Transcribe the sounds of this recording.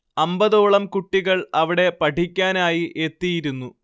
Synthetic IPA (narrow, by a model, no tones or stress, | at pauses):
ɐmbɐðoːɭɐmkuʈːiɣɐɭɐʋiɽe̞pɐʈʰikʲːaːnaːjiʔe̞t̪ːijiɾunːu